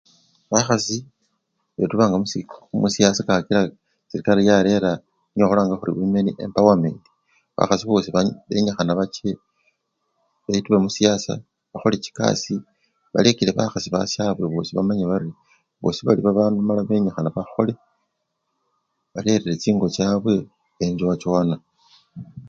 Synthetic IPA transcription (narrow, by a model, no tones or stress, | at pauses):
βaxasi | βetuβaːŋɡamusimusijasakaakila | siɾikaɾijale̞ɾa | ɲoxolaːŋɡaxuɾḭβume̞niʔe̞̰mpawamḛːndi̥ | βa̰xasiβo̞ːsiββeɲaxanaβat͡ʃe̞ | βeituβemusijasa̰ | βaxo̞let͡ʃi̥ka̰si | βa̰lekile̞βaxasiβa̰sjaβwe̞βo̞ːsiβamaɲeβaɾi | βo̞̰siβaliβaβaːndumalaβe̞ɲaxanaβaxo̞le̞ | βale̞ɾelet͡ʃiːŋɡo̞t͡ʃaβwe̞ː | ɲd͡ʒowat͡ʃana